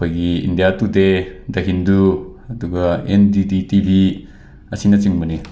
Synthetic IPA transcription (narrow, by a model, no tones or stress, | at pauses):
ajɡiḭndijatudedɐɦinduɐduɡɐendiditibi | ɐsinɐt͡siŋmuni